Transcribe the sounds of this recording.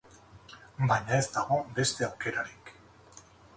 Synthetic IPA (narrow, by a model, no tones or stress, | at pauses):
baɲae̞zd̪aɣo̞be̞st̪e̞awke̞ɾaɾik